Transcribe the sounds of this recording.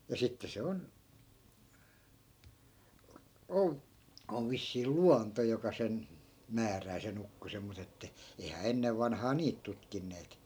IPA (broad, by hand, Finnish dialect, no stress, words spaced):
jɑ sitːe se on ol oʋ ʋisːiː luɑnto jokɑ sen mæːræː sen ukːosem mut etːæ eihæː enːeʋ ʋɑnhɑː niːt tutkinːeːt